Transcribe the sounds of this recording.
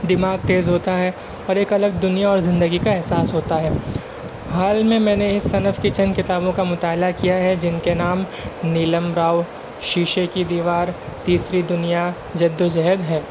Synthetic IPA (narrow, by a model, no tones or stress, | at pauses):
d̪ɪmaːɡ̚t̪eːzɦoːt̪aɦɛ | ɔːɾeːkɐləɡ̚d̪ʊnijaɔːɾzɪ̃nd̪əɡikaɛɦsaːsɦoːt̪aɦɛː | ɦaːlmẽmɛ̃ːneɪsɐnfkit͡ʃɐnkɪt̪aːbõkamʊt̪aːlakijaɦɛd͡ʒɪnkenaːmniːləmɾaːw | ʃiːʃekid̪iːʋaːɾ | t̪iːsɾid̪ʊnija | d͡ʒɐd̪ːod͡ʒɛɦəd̪ɦɛː